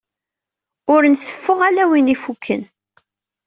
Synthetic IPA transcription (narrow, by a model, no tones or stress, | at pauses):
ʊɾnsə̥fːʊʁalæwinifukʰːə̰n